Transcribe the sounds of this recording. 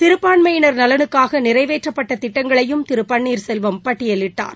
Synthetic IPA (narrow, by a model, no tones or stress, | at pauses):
t̪ɪɾɯpːaːɳmɐjɪnɐɾnɐlɐnɯkːaːɣɐnɪɾɐɪʋeːʈrɐpːɐʈːɐt̪ɪʈːɐŋɡɐɭɐjɯmt̪ɪɾɯpːɐɳːiːɾsɛlʋɐmpɐʈːɪjɐlɪʈːa̰ːɾ